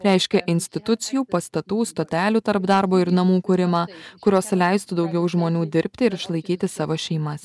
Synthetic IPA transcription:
ɾʲɛɪʃʲkʲɛʔɪnʲsʲt̪ʲɪt̪ʊt̪sʲɪjuːpɐst̪ɐt̪uːst̪oːt̪ʲæːlʲuːt̪ɐɾpd̪ɑɾboːɪɾnɐmuːkʊɾʲɪmɑːkʊɾʲoːslʲɛɪst̪ʊd̪ɒʊɡʲɛʊʒmoːnʲuːd̪ʲɪɾʲpʲt̪ʲɪɪɾɪʃlˠɐɪkʲiːt̪ʲɪsɑːʋoːʃʲɛɪmɐs

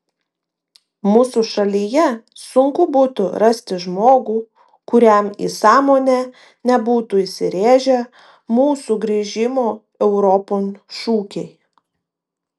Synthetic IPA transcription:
muːsuʃɐlʲijɛsʊŋkʊbuːt̪ʊɾɐsʲt̪ʲɪʒmoːɡuː | kʊɾʲɛˑmḭːsɑːmoːnʲæ | nʲɛbuːt̪uːɪʃʲsʲɪɾʲeːʒʲɛ | muːsuɡɾʲiːʒʲɪmoː | ɛʊɾɔpoːnʃuːkʲɛɪ

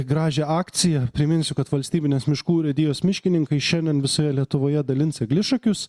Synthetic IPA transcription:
ɡɾɑːʒʲeːɑːkt̪sʲɪjɛpʲɾʲɪmʲɪnsʲʊkɐt̪ʋɐlʲsʲt̪ʲiːbʲɪnʲeːsmʲɪʃkuːɾʲɛd̪ʲɪːjoːsmʲɪʃʲkʲɪnʲɪŋkɐɪʃʲɛnʲd̪ʲɛnʋʲɪsoːjɛlʲiɛt̪ʊʋoːjɛd̪ɐlʲɪnsɪɡlʲɪʃɐkʲʊs

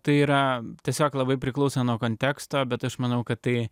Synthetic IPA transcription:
t̪ɐɪiːɾɐt̪ʲiɛsʲoːklˠɐbɐɪpʲɾʲɪklˠɐʊsʲɐnuoɔkoːnʲt̪ʲæːkst̪oːbʲɛt̪ɐʃmɐnɐʊkɐt̪t̪ɐɪ

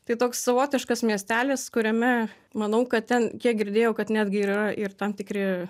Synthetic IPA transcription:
t̪ɐɪt̪oːksːɐʋoːt̪ʲɪʃkɐsmʲiɛsʲt̪ʲæːlʲɪskʊɾʲɛmʲɛ | mɐnɐʊkɐt̪t̪ʲɛnkʲiɛk̚ɡʲɪɾʲd̪ʲeːjɛʊkɐt̪nʲæːd̪ʲɡʲɪːɾirɐʔɪrt̪ɐmt̪ʲɪkɾʲɪ

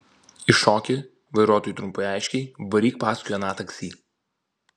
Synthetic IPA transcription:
ɪʃɔːkʲɪ | ʋɐɪɾuɔt̪oːjuːˑt̪ɾʊmpɐɪɑˑɪʃʲkʲɛɪbɐɾʲiːk̚pɑːskʊjʲɛnɑːt̪ɐksʲiː

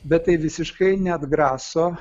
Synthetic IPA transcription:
bʲɛtt̪ːɐɪʋʲɪsʲɪʃkɐɪnʲɛɐd̪ɡɾɑːsoː

